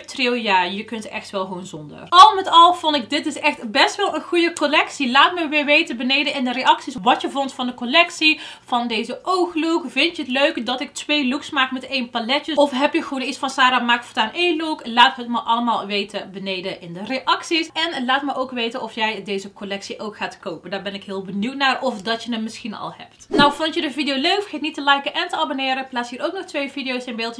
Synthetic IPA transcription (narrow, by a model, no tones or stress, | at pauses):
trɪwˠjaːjəkɵntɛ̰xtʋɛlˠxownzɔndə̰rɑlˠmɛtɑlˠv̥ɔntɪk̚dɪt̚dəsɛxtbɛstʋɛlˠənχujəkolɛksilaːtməʋɪːɹʋejtəbənejdəɪndəɾeɑksisʋɑtjəvɔntfɑndəkolɛksi | v̥ɑndejzəʔowxlukvɪntjəɦətløɥkdɑtɪk̚tʋejluksmaːkmɛtejnpalɛtəɔfɦɛpjəɣʋoːnitsfɑnsaːɾamaːkfɔtaːnejluklaːtɦətməʔɑləmaːlˠʋeːtəbənejdəʔɪndəreʔɑksisɛnlaːtməʔowkʋejtənɔfjɛjdejzəkolɛksiʔowkχaːtkowpəndaːɹbɛnɪkɦɪːlˠbənuwtnaːrɔfdɑtjənəmɪsxinɑ̰lˠhɛ̰p̚tnawvɔntjədəvidijowløɥkfxetnitəlɛjkəʔɛntəabonɪːɾəplaːsɦiːɾowknɔxtʋejvidijowstɪnbɪːlˠtə